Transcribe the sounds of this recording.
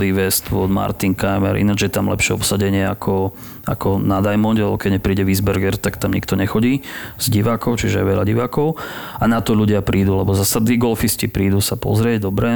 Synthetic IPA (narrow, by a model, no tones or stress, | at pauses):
liːʋɛst̪ʋɔ̰d̪ma̰ɾt̪iŋkajmɛ̰ɾʔḭnad͡ʒjɛt̪amlɛ̰pʃɪɛɔ̰psaɟɛɲɪɛakʰɔ | a̰kʰɔnad̪ajmɔnɟɛlɛbɔkɛɟɲɛpɾiːɟɛʋiːzbɛɾɡɛɾt̪akt̪amɲḭkt̪ɔɲɛxɔɟiːz̥ɟiʋaːkɔʊt͡ʃiʒɛɛ̰ʋɛʎaɟiʋaːkɔʊanat̪ɔʎuɟɪapɾiːd̪ulɛbɔzasad̪niːɡɔlfiscipɾiːd̪usapɔ̰zɾɪɛɟd̪ɔbɾɛ